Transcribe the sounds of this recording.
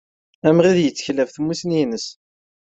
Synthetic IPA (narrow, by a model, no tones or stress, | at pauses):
æmʁiðjət͡sːə̥çlævθmːusninəs